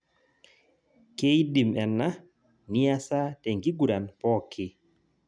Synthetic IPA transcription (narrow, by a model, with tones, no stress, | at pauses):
ke˦jdi˨mɛ˨nːa˦ | ni˦a˦sa˦tɛ˨ŋɡi˦ɡu˨ɾa˨npɔ˦kʰi˦